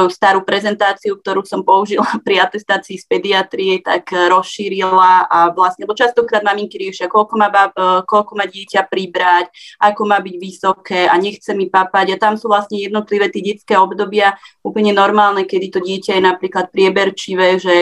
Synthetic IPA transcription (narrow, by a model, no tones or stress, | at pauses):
ɔust̪aːɾuːpɾɛzɛnt̪aːt͡siukt̪ɔɾuːsɔmpɔuʒilapɾiat̪ɛst̪aːt͡siːspɛd̪iat̪ɾiɛt̪a̰kɾɔsʃiːɾilaaʋlasɲɛbɔt͡ʃast̪ɔkɾaːd̪mamiŋkiɾɪɛʃɪakɔlkɔmaːbakɔlkɔmaɟɪɛcapɾibɾacʔakɔmaːbiɟʋisɔkɛːaɲɛxt͡sɛmipapaɟat̪amsuːʋlasɲɛjɛd̪nɔt̪liʋɛːt̪jɛɟɛt͡skɛːɔbd̪ɔbɪauːpl̩ɲɛnɔɾmaːlnɛkɛd̪it̪ɔɟɪɛcajɛnapɾiːklat̪̚pɾɪɛbɛɾt͡ʃiʋɛːʒɛ